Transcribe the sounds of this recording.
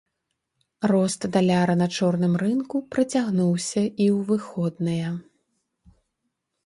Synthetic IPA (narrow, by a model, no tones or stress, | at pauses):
rɔst̪d̪alʲaɾɐnɐt͡ʂɔrn̪ɨmrɨnkupɾɐt͡sʲaɣnuwsʲɐʔiwvɨxɔd̪̚nɐjɐ